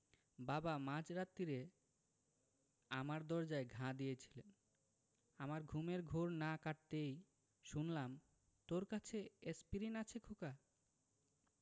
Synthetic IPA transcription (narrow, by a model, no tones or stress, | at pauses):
babamãd͡ʑɾat̪ːiɾe | amaɾd̪ɔɾd͡ʑaeɡʱãd̪ijet͡ɕʰi̥len | amaɾɡʱumeɾɡʱoɾnakaʈ̚t̪ej | ʃunlam | t̪oɾkat͡ɕʰeespiɾinat͡ɕʰekʰoka